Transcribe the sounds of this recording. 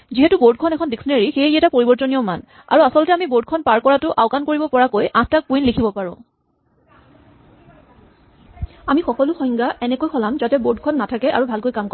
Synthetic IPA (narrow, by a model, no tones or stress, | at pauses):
ziɦɛtuboɹd̚kʰɔnɛkʰɔndiksneɹixeiɛtapoɹibɔɹzɔnijɔma̰n | a̰ɹuasɔlɔtɛamiboɹd̚kʰɔnpaɹkɔɹatʊʔaʊkankoɹibɔpɔɹakojʔãtak̚kuinlikʰibɔpaɹʊ̃ | amixɔkɔlʊxɔjŋɡaʔɛnɛkojxʰɔlamzatɛboɹd̚kʰɔnːatʰakɛʔa̰ɹubʱalkojkamko